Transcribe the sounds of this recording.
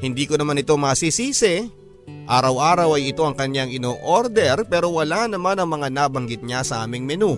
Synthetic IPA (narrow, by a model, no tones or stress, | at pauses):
hɪnd̪iːkonɐmanɪt̪o̞maːsisiːsɛ | ʔaːɾɐwʔaːɾɐwɐjɪt̪o̞ʔɐŋkɐɲjaŋɪnoːʔoɾd̪ɛɾpɛːɾo̞wɐlanɐmanɐŋmɐŋanaːbɐŋɡɪt̪̚ɲasɐʔaːmɪŋmɛno